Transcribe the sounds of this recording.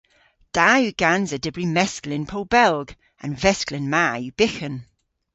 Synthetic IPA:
d̥aːjʉɡ̥anzədɪbɹimɛsklɪ̃npʰolbɛlˠɡ | ə̰̃nvɛsklɪnmaːjʉb̥ɪxə̃n

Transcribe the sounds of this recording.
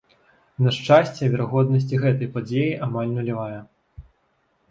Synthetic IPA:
nɐʂt͡ʂasʲt͡sʲɛvʲɛɾaɣɔd̪nɐsʲt͡sʲiɣɛt̪ɐjpad͡zʲejiʔamalʲnulʲivajɐ

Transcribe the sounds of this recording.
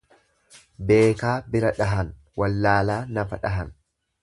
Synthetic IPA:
be̞ːkaːbɪɾɐᶑɐɦɐn | wɐlːaːlaːnɐfɐᶑɐɦɐn

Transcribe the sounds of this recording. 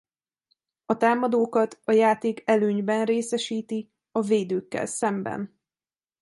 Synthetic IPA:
ɒt̪aːmɒd̪oːkɒt̪ɒjaːt̪eːkɛløːɲbɛnreːsɛʃiːt̪i | ɒveːd̪øːkːɛ̰lsɛmbɛ̰n

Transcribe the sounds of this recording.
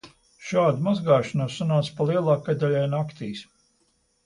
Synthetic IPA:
ʃaːd̪umazɡaːʃanuɔsːunaːt̪spalˠiɛlˠɑːkːad̪alʲɛjnakt̪iːs

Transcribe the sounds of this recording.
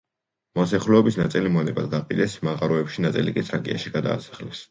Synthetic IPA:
mɔsɛχlɛɔbisnat̪sʼilimɔnɛbad̪ɡapʼid̪ɛsmaʁaɾɔɛpʃinat̪sʼḭlikʼit̪sʰɾakʼia̰ʃiɡ̥ad̪a̰ːsḁχlɛs

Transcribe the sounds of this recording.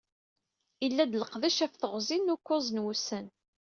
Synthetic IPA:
ilːæd̪ləqðæʃæfθəʁzinːʊkʷːʊzˤnwusən

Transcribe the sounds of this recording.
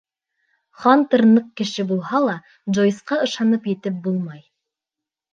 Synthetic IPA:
χɑnt̪ɤ̆ɾnɤq̚kɘ̆ʃɘbulˠhɑlˠɑ | d͡ʒojsqɑɤ̆ʃɑnɤpjɘ̆t̪ɘp̚bulˠmɑj

